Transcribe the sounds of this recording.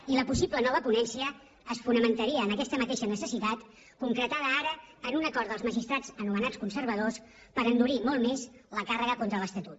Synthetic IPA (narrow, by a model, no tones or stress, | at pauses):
iləpusiblənɔβ̞əpunɛnsiəː | sfunəmənt̪əɾiəːnəkɛst̪əmət̪eʃənəsəsit̪at̪ | kuŋkɾət̪að̞əaɾəːnunəkɔɾt̪əlˠzməʒist̪ɾad͡zənumənat͡skunsəɾβəðos | pəɾənd̪uɾimɔlˠmeszləkarəɣəkont̪ɾələst̪ət̪ut̪